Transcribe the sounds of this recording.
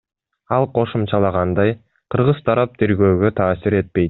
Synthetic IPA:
ɑlˠqʰo̞ʃumt͡ʃɑlˠɑʁɑnd̪ɑj | qʰɯɾʁɯz̥t̪ʰɑɾɑp̚t̪ʰe̞ɾɡø̞ːɡø̞t̪ʰɑːsiɾe̞t̪̚pe̞jt̪

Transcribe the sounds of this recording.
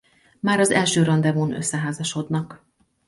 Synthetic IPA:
maːɾɒzɛ̰lʃøːɾɒnd̪ɛmonø̰sːɛɦaːzɒʃo̞d̪nɒk

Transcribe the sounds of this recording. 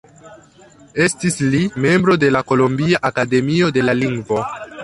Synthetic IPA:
e̞stislime̞mbɾo̞de̞lako̞lombiaʔakade̞mio̞de̞laliŋɡvo̞

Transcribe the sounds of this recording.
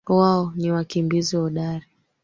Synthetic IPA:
waɔniwakimbiziwɔɗaɾi

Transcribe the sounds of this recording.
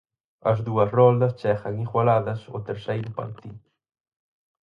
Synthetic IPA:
ɐ̰zðuɐsrɔld̪ɐst͡ʃɛxɐŋiɣwalaðɐsʊ̰t̪eɾsejɾʊmpa̰lt̪i

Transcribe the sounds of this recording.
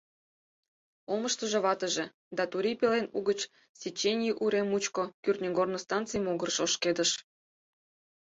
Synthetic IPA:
oməʃt̪əʒĕβɑt̪əʒĕ | d̪ɑt̪uɾʲipelenuɣət͡ɕ | sʲet͡ɕːenʲiʔuɾemut͡ɕkokyrt̪nʲeɡornost̪ɑnt͡sɨjmoɣərʃoʃked̪əʃ

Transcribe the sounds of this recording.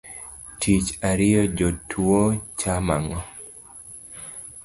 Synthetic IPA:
tʰit͡ʃaɾɪɔd͡ʒotʰuot͡ʃama̰ŋɔ

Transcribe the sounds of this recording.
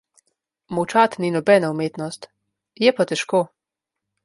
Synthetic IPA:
mɔwt͡ʃat̪ninɔbɛnaumeːt̪nɔst̪ | jɛpat̪ɛʃkoː

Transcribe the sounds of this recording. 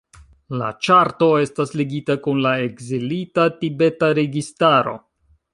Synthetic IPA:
la̰t͡ʃaɾto̞e̞stasleɡitakunlae̞ɡzilitatibe̞taɾe̞ɡistaɾo̞̰

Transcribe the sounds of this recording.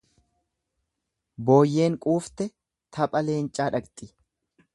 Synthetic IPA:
bo̞ːjːe̞ːŋkʼuːft̪ɛ | t̪ʰɐpʼɐle̞ːnt͡ʃʼaːᶑɐkt̪ʼɪ

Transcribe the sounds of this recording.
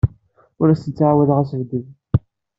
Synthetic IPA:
ʊɾæsənt͡sːʕawæðʁæsəvd̪ið

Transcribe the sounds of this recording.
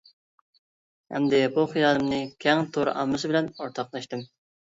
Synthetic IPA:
hɛ̰md̪ɪbuχɨjɑːlɨmnɨkʲʰɛŋt̪ʰoɾ̰ʔɑ̰mːɨsɨbɪlɛnoɾt̪ʰɑqlˠɑʃt̪ɨm

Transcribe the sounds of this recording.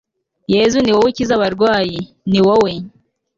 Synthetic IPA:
jezuniwowecizaβaɾɡwaːji | niwowe

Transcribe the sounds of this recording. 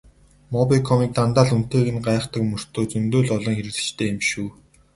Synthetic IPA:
mɔpikʰɔmiːk̚t̪ant̪aːɮun̥t̪eːɣɘ̆nɢaːχt̪ə̆kmɵr̥t̪oːt͡sɵnt̪oːɮɔɮɞ̆ŋxeɾɘ̆ɣɮɘ̥̆t͡ɕt̪ʰeːemʃuː

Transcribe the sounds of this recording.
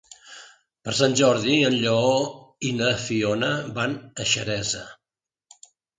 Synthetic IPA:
pəɾsanʲʒɔɾðiənʎəoinəfionəβanəʃəɾɛzə̰

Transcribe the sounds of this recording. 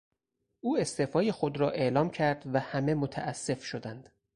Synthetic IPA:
ʔuːe̞st̪efɒːjexod̪ɾɒːʔe̞ʔlɒːmcʰæɾd̪væhæme̞mot̪ʰæ̰ʔæsːe̞fʃo̞d̪ænd̪̥

